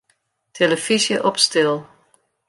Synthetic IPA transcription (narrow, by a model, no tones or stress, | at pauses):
tʰeləfisjəʔɔpstɪlˠ